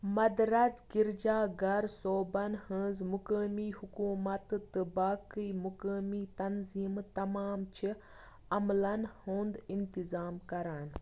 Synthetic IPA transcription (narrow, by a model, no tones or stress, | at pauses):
mɐd̪ɾɐsɡiɾd͡ʒaːɡɐɾsoːbɐnhə̃ːzmukəːmiːhukuːmɐt̪t̪ɨbaːkɨːmukəːmiːt̪ɐnziːmt̪ɐmaːmt͡ʃʰi | ɐmlɐnhõːnd̪int̪izaːmkɐɾaːn